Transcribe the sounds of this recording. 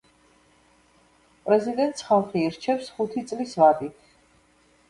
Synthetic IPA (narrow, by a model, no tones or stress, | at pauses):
pʼɾɛzid̪ɛnt̪ʼsχalˠχiːɾt͡ʃʰɛpsχut̪ʰit̪sʼlisvad̪it̪ʰ